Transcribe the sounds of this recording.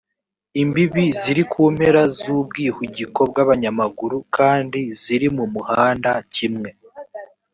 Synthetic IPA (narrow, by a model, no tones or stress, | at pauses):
imbiβiziɾikʰuːm̥he̞ɾazuːb̚ɡiːhuɟiko̞b̚ɡaβaɲamaɡuɾukaːndiz̥iɾimumuhaːndacimŋe̞